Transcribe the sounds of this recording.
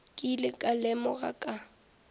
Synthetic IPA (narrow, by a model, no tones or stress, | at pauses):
kʼilɪkʼalɛmɔɣa̰kʼa